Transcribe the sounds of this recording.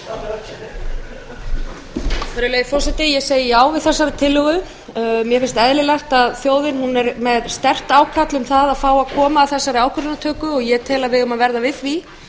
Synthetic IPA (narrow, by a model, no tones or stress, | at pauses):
fɾɪleːjfɔr̥sɛt̪ɪjɛɣseːjɪjaːwvɪðθɛsːaɾɪt̪ʰɪlːʏɣʏ | mjɛfɪnst̪ɛðlɪlaht̪aðθjoːwðɪnhunɛɾmɛðst̪ɛr̥t̪aːwkʰat̪lʏmθaðafaːwakʰɔːmaːθɛsːaɾɪaːwkʰʏɾanat̪ʰœːkʏɔɣjɛt̪ʰɛːlaðvɪðʏmaðvɛɾðavɪðθvi